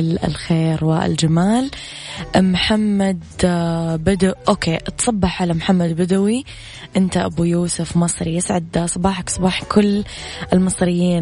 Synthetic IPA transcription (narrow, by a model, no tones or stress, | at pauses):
ɪlɪ̰lxeːɾwɪɪ̰ld͡ʒamaːl | mħamːad̪ | bɪd̪aʔoːkʰeːt̪sˤɑbːɑħʕalamħamːad̪bɪd̪awi | ʔɪnt̪aʔa̰bujuːsʊfmɑsˤɾijɪsʕɪd̪ːasˤɑbɑːħaksˤɑbɑːħkʰʊlː | ʔɪlmɨsˤɾɪjːiːn